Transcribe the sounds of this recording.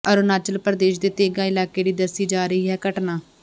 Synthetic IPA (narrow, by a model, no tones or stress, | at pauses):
əɾoːnaːt͡ʃəlpəɾəd̪eːʃd̪eːt̪eːɡaːɪlaːkeːɖiːd̪əsːiːd͡ʒaːɾəɦiːɦɛːkəʈnaː